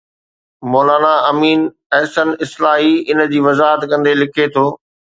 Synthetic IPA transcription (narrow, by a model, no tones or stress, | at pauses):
mɔːlaːnaɐmiːn | ɛɦsənɪslaːɦiɪn̆d͡ʑiːʋɐzaːɦət̪kɐ̃nd̪elɪkʰet̪ʰoː